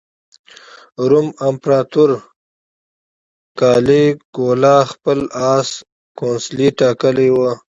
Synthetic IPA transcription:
ɾumampɾaːt̪uɾ | kaːleɡ̥oːlaːxpəlaːs | koːnsliʈaːkəliwə

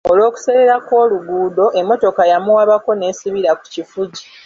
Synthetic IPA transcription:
o̞lwo̞ːku̥seɾeɾako̞ːluɡuːdo̞ʔe̞mːo̞to̞kajamuwaβako̞ne̞ːsiβiɾaku̥cifuɟi

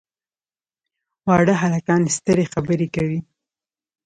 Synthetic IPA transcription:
wɑɽəɦalakɑnest̪əɾexabəɾekawi

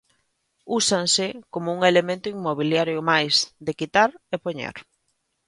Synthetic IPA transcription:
usaŋsɪkomʊuŋelemẽnt̪ʊiŋmoβ̞iljaɾjʊmajsdɪkit̪aɾepoɲḛɾ

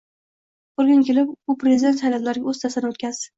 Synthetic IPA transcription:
oɾɡʲankʲelɪpʊpɾezɪd̪e̞nt̪sajlat̪laɾɪɡʲaɵzt̪ʰasɪnɪot̪kʲʰaz̥

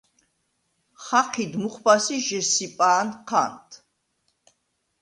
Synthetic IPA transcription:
χaχʰid̪muχbasiʒɛsipʼaːnqʰa̰nt̪ʰ

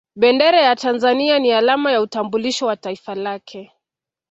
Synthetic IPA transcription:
ɓɛndɛɾajatanzanianialamajautambuliʃɔwataifalakʰɛ

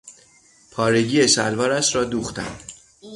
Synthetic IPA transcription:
pʰɒːɾeɟiːjesælvɒːɾæsɾɒːd̪uːxt̪æ̰nd̪̥

